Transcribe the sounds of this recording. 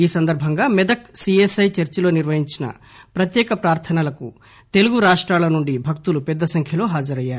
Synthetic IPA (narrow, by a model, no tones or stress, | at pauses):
iːsɐnd̪ɐɾbʱɐŋɡaːmɛd̪ɐksiesɐjt͡ʃɐɾt͡ʃilo̞ːniɾʋɐɦiɲt͡ʃinɐ̰ | pɾɐt̪jɛːkɐpɾaːɾt̪ʰɐnɐlɐkṵ | t̪e̞luɡuɾaːʂʈɾaːlɐnuɳɖibʱɐk̚t̪ulupɛd̪ːɐsɐŋkʰjɐlo̞ːɦaːd͡ʒɐɾɐjːaːɾu